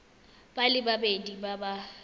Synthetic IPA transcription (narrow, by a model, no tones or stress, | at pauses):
b̥alɪbabedibaba